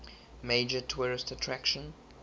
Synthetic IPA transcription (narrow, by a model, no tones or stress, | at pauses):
meɪd͡ʒətʰwɔɹɪstətʰɹækʃə̃n